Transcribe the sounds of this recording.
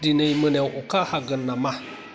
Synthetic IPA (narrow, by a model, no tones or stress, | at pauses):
dinəjmənewʔukahaɡənːama